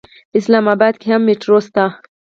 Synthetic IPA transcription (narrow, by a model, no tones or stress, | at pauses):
ɪslamabad̪̚kʲehamːeʈɾost̪a